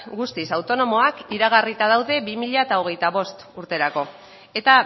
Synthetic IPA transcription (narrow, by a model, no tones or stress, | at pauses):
ɡust̪isawt̪o̞no̞mo̞akiɾaɣ̞arit̪að̞awðe̞bimiʎaet̪ao̞ɣ̞e̞jt̪aβ̞o̞st̪uɾt̪e̞ɾako̞ | e̞t̪a